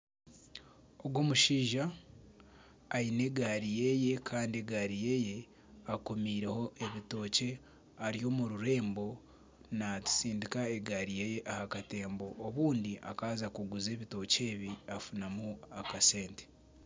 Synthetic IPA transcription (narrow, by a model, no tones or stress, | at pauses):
oɡwo̞ːmuʃiːʒa | ine̞ɡaɾije̞je̞kʰaːndie̞ɡaːɾije̞ːje̞ | akomiːɾe̞ho̞ʔe̞βito̞ːce̞ | aɾijo̞ːmuɾuɾe̞ːmbo̞ | natu̥siːndikae̞ɡaɾijeje̞ʔahakate̞ːmbo̞ʔːβuːndiʔa̰kaːzakuɡuze̞ːβito̞ce̞ːβiafunamuakase̞ːnte̥